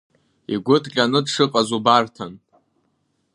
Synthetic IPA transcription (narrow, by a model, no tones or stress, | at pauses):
iɡʷʊtʰʼkʲʼanɨdʂɨqʼazubartʰan